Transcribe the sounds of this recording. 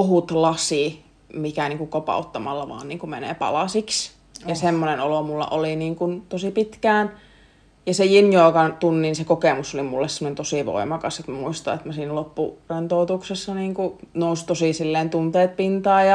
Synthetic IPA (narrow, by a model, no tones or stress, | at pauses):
oɦut̪lɑsi | mikæniːŋkukopɑ̰ˑut̪ːɑmɑlːɑʋɑ̰ːnniːŋkumenḛːpɑ̰lɑsiks | jɑsemːonenolomulːɑ̰ʔoliniːŋkunt̪osipit̪kæːn | jɑsejinjoːkɑnt̪unːinsekokeˑmusolimulːesemonent̪osiˑʋo̰imɑkɑset̪mæmuist̪ɑ̰ḛt̪mæsiːnlopːṵrent̪oˑut̪uksesːɑniːŋkunoust̪osiˑsilːeːnt̪unt̪eːt̪̚pint̪ɑːjɑ